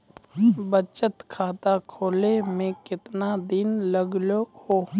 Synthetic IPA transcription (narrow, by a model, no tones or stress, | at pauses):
bət͡ʃət̪kʰaːt̪akʰoːlemẽkɪt̪nad̪ɪnləɡloho